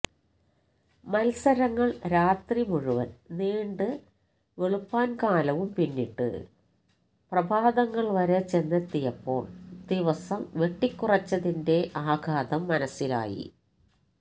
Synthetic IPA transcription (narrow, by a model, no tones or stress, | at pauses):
mɐlsɐɾɐŋːɐɭɾaːt̪rimuɻuʋɐ̰nneːɳɖɨ | ʋe̞ɭupːaːnkaːlɐʋumpinːiʈːɨ̰ | prɐbʱaːd̪ɐŋːɐɭʋɐɾet͡ɕe̞nːɐt̪ːijɐpːo̞̰ːɭd̪iʋɐsɐmʋe̞ʈːikʲːurɐt͡ɕːɐðinde̞ʔaːɡʱaːd̪ɐmːɐnɐsila̰ːjḭ